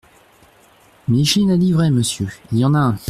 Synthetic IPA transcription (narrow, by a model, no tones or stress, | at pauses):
miʃinad̪ivʁɛməsjøiljɑ̃nã